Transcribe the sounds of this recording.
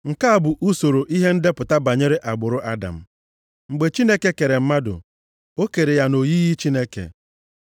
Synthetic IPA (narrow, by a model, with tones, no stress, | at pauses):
ŋ̩˨ka˦a˦˨bʊ˨ʔu˦so˨ɾo˨ʔi˦ɦe˦n̩˦de˦pʊ˨ta˦ba˨ɲe˦ɾe˦ʔa˨ɡ͡bʊ˨ɾʊ˦ʔa˦da̰˨m̩˦ | ŋ͡m̩˨ɡ͡be˨t͡ʃi˦ne˦ke˦ke˨ɾe˨m̩˦ma˦dʊ̰˨ | o˦ke˨ɾe˨ja˦no˨ji˦ɣi˦t͡ʃi˦ne˦kḛ˨